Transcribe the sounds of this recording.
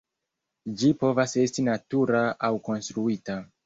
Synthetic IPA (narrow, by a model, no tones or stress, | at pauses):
d͡ʒipo̞vase̞stinatuɾaawko̞nstɾuita